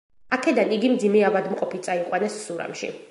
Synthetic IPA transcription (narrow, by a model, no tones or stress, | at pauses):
akʰɛd̪aniɡimd̪zimɛabad̪mqʼɔpit̪sʼaiqʼwanɛsːuɾa̰mʃḭ